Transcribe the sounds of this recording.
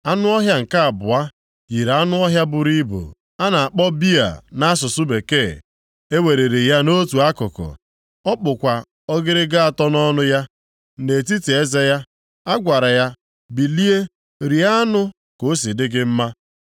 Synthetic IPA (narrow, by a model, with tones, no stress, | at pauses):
a˦nʊ˦ɔ˦ɦja˦ŋ̩˨ka˦a˨bʊ˨a˦ | ji˨ɾa˦nʊ˦ɔ˦ɦja˦bʊ˨ɾi˦bo̰˨ | a˦na˨a˨k͡pɔ˦bi˦a̰˨na˦a˦sʊ˨sʊ˦be˨ke˦˨ | e˦we˨ɾe˨ɾe˨ja˦no˦tu˨a˦kʊ˨kʊ̰˨ | ɔ˦k͡pʊ˨kʷa˨ | ɔ˦ɡɪ˦ɾɪ˦ɡa˦a˨tɔ˦nɔ˦nʊ˦ja˦ | ne˨ti˦te˨e˦ze˦ja˦ | a˦ɡʷa˨ɾa˨ja˦ | bi˨li˦e˦ | ɾi˨a˦nʊ˦ | ko˨˦s̬i˨dɪ˦ɡɪ˦m̩˦ma˦